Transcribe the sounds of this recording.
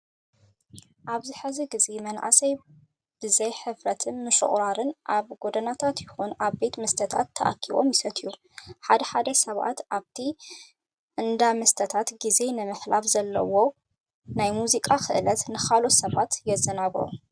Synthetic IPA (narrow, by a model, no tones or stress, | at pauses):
ʔaβzɨħɨziɡizemɐnʔa̰sɐj | b̥ɨzɐjħɨfɾɐt̪ʰɨnmɨʃɨ̰χʼɾaɾɨnʔaβɡo̞d̪ɐnat̪ʰat̪jɪxunʔaβbe̞t̪mɐst̪ʰɐt̪ʰa̰t̪ʰːɐʔa̰kʰːiβomjɪsɐt̪ʰʼiju | ħad̪ɐħad̪ɐsɐβa̰t̪ʔaβt̪ʰi | ʔɨnd̪amɐst̪ʰɐt̪ʰat̪ɡize̞nɨmɨħlafzɐlːɐ̰wo̞ | najmuzikʼaxʰɨʔɨlɐt̪nɨxalosɐβat̪jɛzːɐnaɡɾo̰